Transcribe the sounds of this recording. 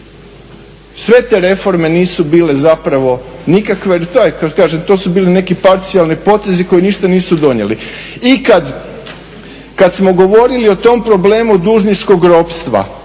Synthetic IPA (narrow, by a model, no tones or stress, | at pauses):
sʋe̞t̪e̞ːɾe̞fo̞ɾme̞niːsubiːle̞zapɾaʋo̞nikakʋet̪ojekakaːʒemt̪osubiːline̞kipaɾt̪sijalnipo̞t̪e̞ziko̞jiniːʃt̪aniːsud̪o̞ɲe̞̰liikad̪ | kad̪smo̞ɡo̞ʋo̞ɾilio̞t̪o̞mpɾo̞ble̞ːmud̪uːʒnit͡ʃko̞ɡɾo̞pst̪ʋa̰